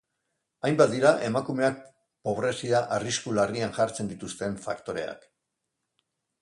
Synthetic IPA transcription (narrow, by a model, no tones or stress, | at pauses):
ajmbat̪d̪iɾaʔe̞makume̞ak̚ | po̞βɾe̞siaʔariskulariaŋʝaɾt͡se̞nd̪it̪ust̪e̞ɱfakt̪o̞ɾe̞̰a̰k